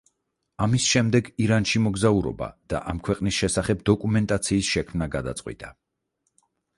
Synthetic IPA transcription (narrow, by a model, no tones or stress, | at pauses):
amisʃɛmd̪ɛɡiɾanʃimɔɡzauɾɔ̰ba̰d̪̥a̰ʔamkʰwɛqʼnisʃɛsaχɛbd̪ɔkʼumɛnt̪ʼat̪sʰiːsʃɛkʰmnaɡad̪a̰t̪sʼqʼwḭt̪ʼa